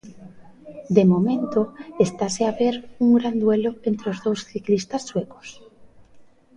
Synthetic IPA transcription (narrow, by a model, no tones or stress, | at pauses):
d̪emo̞mẽnt̪oest̪aseaβeɾuŋɡɾand̪weloent̪ɾeozðowsθiklist̪asːweko̥s